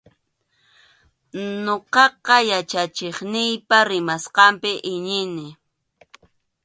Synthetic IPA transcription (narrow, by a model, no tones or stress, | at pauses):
noqɑqɑjat͡ʃat͡ʃeχnɪjpaɾɪmasqɑmpɪʔɪɲɪnɪ